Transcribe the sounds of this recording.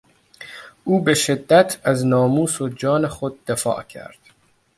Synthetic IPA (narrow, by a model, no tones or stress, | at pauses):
ʔuːbe̞ʃe̞d̪ːæt̪ʰæznɒːmuːsod͡ʒɒːnexod̪̚ːefɒ̰ːʔcʰæ̰ɾd̪̥